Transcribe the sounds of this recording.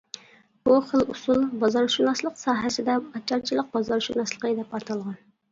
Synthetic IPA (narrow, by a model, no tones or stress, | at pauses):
b̥uχəlˠusulˠbɑzɑɾʃunɑslˠəqsɑːɦɛsɪd̪ɛɑt͡ʃʰːɑɾt͡ʃʰilˠəq̚bɑzɑɾʃunɑslˠə̥qʰəd̪ɛpɑt̪ʰɑlˠʁɑn